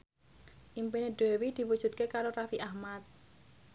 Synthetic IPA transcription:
ʔimpineɖ̪̥ewid̪̥i̤wud̥ʒ̥ṳt̪̚kekaɾorafiʔahmat̪̚

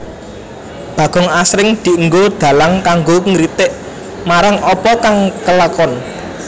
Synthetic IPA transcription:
b̥ä̤ɡ̥ɔ̤ŋasɾɪŋd̪̥i̤əŋɡod̪̥ä̤laŋkaŋɡoŋɾit̪ɪʔ | maɾaŋɔpɔkaŋkəlakɔn

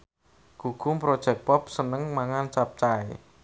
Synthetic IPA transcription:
ɡ̥uɡ̥ʊ̤mpɾod̥ʒ̥ɛ̤k̚pɔp̚sənəŋmaŋant͡ʃap̚t͡ʃae

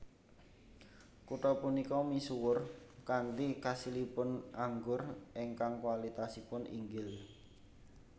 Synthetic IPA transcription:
kuʈɔpunikɔmisuwʊrkant̪ikasilipʊnʔaŋɡʊrʔeŋkaŋkwalit̪asipʊnḭŋɡɪl

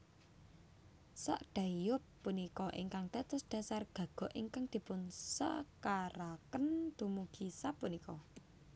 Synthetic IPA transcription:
sa̰ʔɖ̥a̤ijʊpːunikɔʔḭŋkaŋt̪ɛt̪ʊsɖ̥a̤sarɡ̥ä̤ɡ̥ɔ̤ʔiŋkaŋd̪̥i̤pʊnsə̰kaɾakənd̪̥umuɡ̥isapːunikɔ

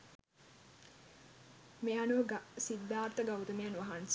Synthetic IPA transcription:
meanuʋɐɡsid̪ːaːɾt̪əɡawt̪əmejanʋaɦans

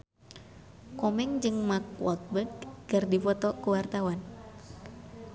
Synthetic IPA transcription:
kɔmɛŋd͡ʒɨŋmak̚wɔ̰t̪̚bədkɨrdipɔt̪ɔkuwart̪awan

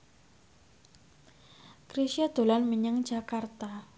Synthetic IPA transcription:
kɾisiad̪̥o̤lanməɲəŋ̥d͡ʒ̥a̤kart̪a

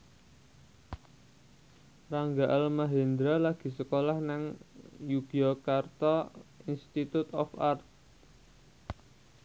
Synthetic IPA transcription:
raŋɡaʔalmaɦend̪ɾalaɡ̥i̤səkolahnaŋjuɡ̥iokart̪ɔinst̪it̪ut̪ɔfart̪̚

